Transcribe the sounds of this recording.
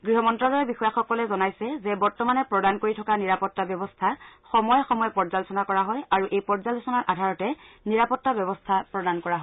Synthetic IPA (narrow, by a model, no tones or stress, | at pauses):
ɡɹiɦɔmɔntɹalɔɹɛbixɔjaxɔkɔlɛzɔnajsɛzɛbɔɹtɔmanɛpɹɔdankoɹitʰɔkaniɹapɔtːabjɔbɔstʰaxɔmɔjɔxɔmɔjɛpɔɹzalusɔnakɔɹaɦɔjaɹuʔejpɔɹzalusɔnaɹʔadʱaɹɔtɛniɹapɔtːabjɔbɔstʰapɹɔdankɔɹaɦɔj